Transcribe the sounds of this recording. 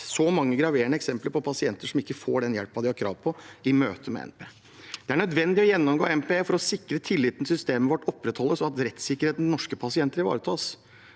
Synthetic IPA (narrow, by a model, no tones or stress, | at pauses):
sɔmɑŋːəɡɾɑʋeːɳəɛksɛmpləɾpʰɔpʰɑsɪɛnt̪əʂɔmɪkːəfoːɖɛnjɛlpɑd̪ɪhɑɾkʰɾɑ̰ːʋpʰɔɪmøːt̪ʰəmɛ̰ɛ̰npʰeː | d̪̥ɛæɳœd̪ʋɛnd̪ɪɔjɛnːɔmɡoːɛnpeːfɔɾɔsɪkːɾət̪ʰɪlːɪːt̪ənəsʏst̪eːməʋɔʈːɔpːɾɛt̪hɔlːəsɔɑt̪ɾɛt̪sɪkəɾheːt̪n̩nɔʂkəpʰɑsɪɛnt̪əɾɪʋɑ̰ːɾət̪ʰɑːs